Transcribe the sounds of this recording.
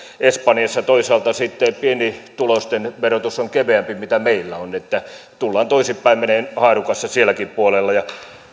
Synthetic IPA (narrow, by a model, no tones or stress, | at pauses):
espɑnjɑsːɑt̪oisɑːlt̪ɑsit̪ːepienit̪ulost̪enʋerot̪usoŋkeʋeæmpimit̪æmeilːæonet̪ːæt̪ulːɑːnt̪oisipːæimmeneːnhɑːrukɑsːɑsielːˑækippuolelːɑjɑ